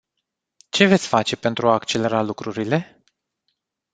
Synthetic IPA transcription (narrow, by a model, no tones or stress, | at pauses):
t͡ʃe̞ve̞t̪sʲfat͡ʃe̞pe̞nt̪ɾuaːkt͡ʃe̞le̞ɾalukɾuɾile̞